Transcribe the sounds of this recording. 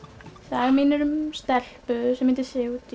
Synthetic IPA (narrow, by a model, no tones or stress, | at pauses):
saːɣminɪɾʏmst̪ɛl̥pʏðsɛmɪnt̪ɪsɪut̪